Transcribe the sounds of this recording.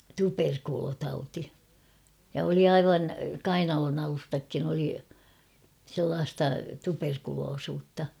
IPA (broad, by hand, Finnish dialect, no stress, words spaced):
tuperkulotɑuti jɑ oli ɑiʋɑn kɑinɑlonɑlustɑkːin oli selːɑːstɑ tuperkuloːsuːtːɑ